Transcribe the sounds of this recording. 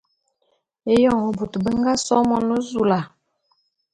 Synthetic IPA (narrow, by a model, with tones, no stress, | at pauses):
e˦jɔ˦˨ŋo˨bu˨tbə˦ŋɡa˦sɔ˦mɔ˦nə˦zu˨la˨